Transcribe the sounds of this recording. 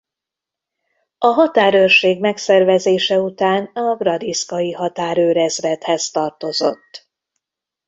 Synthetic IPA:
ɒɦɒt̪aːɾørʃeːɡmɛksɛrvɛzeːʃɛut̪aːnɒɡrɒd̪iskɒjiɦɒt̪aːɾøːɾɛzrɛt̪hɛzt̪ɒrt̪o̞zo̞̰t̪ː

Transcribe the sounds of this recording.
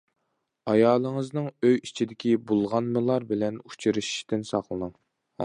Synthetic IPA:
ɑjɑːlˠəŋəznɨŋøjit͡ʃʰid̪ɪkʲʰibolˠʁɑnmɨlˠɑɾbɪlɛnu̥t͡ʃʰiɾɨʃi̥ʃt̪ɪnsɑχlˠɨnɨŋ

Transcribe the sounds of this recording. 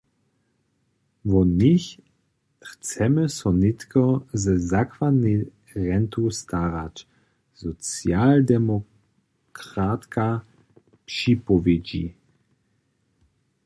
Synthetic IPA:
vɔnix | xt͡sɛməsɔnɪt̪kɔzɛzakvad̪nɛ | ʁɛnt̪ust̪aʁat͡ʃ | zɔt͡sjald̪ɛmɔ | kʁat̪ka | pʃipɔvjed͡ʑḭ

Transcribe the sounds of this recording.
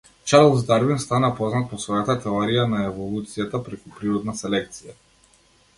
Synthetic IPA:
t͡ʃaɾlˠzd̪aɾbinst̪anapɔznat̪̚pɔsvɔjat̪at̪ɛɔɾijanaɛvɔlˠut̪sijat̪apɾɛkupɾiɾɔd̪nasɛlɛk̚t̪sija

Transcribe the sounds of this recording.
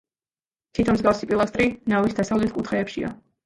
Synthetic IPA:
t̪ʰit̪ʰɔmzɡafsipʼilˠast̪ʼɾinavisd̪asavlɛt̪̚ʰkʼut̪ʰχɛːpʃia̰

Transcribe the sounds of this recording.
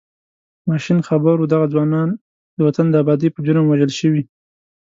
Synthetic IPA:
mɑʃinxabaɾod̪aɣad͡zwɑnɑn | d̪əwat̪and̪əabɑd̪ipəd͡ʒʊɾəmwaʒəlʃəwi

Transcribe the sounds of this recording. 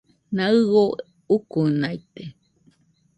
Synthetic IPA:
naɨɣo | ukunajt̪e

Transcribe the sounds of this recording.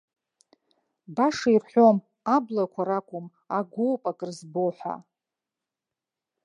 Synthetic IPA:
baʂairħʷo̞m | ablakʷʰaɾakʷʼʊm | aɡʷoːpʼakʼrzboħʷa̰

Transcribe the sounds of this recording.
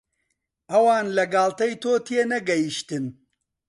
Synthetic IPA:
ɐwaːnlɐɡaːlt̪ɐjt̪oːt̪ʰienɐɡɐjiʃt̪ɨn

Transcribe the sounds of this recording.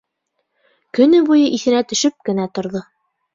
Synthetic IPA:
kɵ̆nɵbujɤʔiθɘ̆næt̪ɵ̆ʃɵp̚kɘ̆næt̪ŏɾðo

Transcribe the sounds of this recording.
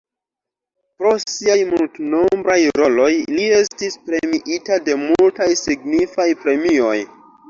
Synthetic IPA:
pɾo̞siajmultno̞mbɾajɾo̞lo̞jlie̞stispɾe̞miʔitade̞multajsiɡnifajpɾe̞mio̞j

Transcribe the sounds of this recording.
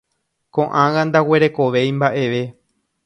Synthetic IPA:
kõʔãɣãnd̪awe̞ɾe̞ko̞ʋe̞j̃mbaʔe̞ʋe̞

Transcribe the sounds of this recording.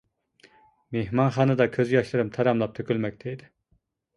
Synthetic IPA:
meɦmɑnχɑːnɨd̪ɑkʲʰøzjɑʃlˠɯɾɯmt̪ʰɑɾɑmlˠɑp̚t̪ʰøkʲylmɛk̚ʲt̪ʰɛjid̪ɪ

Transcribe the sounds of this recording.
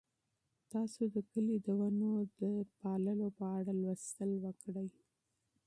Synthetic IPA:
t̪ɑsod̪əkəlid̪əwanod̪əpɑləlopəaɽalwəst̪əlwəkɽəj

